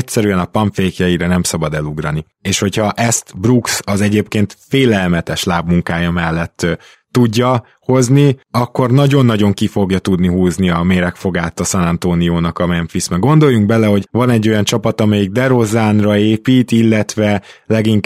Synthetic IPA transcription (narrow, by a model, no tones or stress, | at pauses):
csɛɾyɛnɒpɒɱfeːkjɒjiɾɒnɛmsɒbɒd̪ɛluɡɾɒni | eːʃho̞cʰhɒʔɛst̪bruksɒzɛɟeːpkeːnt̪feːlɛlmɛt̪ɛʃlaːbmuŋkaːjɒmɛlːɛt̪ː | uɟːɒ | ho̞zniɒkːo̞rnɒɟo̞nːɒɟo̞ŋkifo̞ɡjɒt̪ud̪niɦuːzniɒmeːɾɛkfo̞ɡaːt̪ɒsɒnɒnt̪oːnijoːnɒkɒmɛnfismɛɡo̞nd̪o̞jːuŋɡbɛlɛho̞ɟvɒnɛɟːo̞jɒnt͡ʃɒpɒt̪ɒmɛjiɡ̚d̪ɛɾozaːnrɒeːpiːt̪ilːɛt̪ʋɛlɛɡiŋk